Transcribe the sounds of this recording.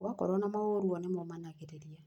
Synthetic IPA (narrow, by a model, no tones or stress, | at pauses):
wakɔ̰ɾɔnamaoɾuɔnemomanaɣeɾeɾija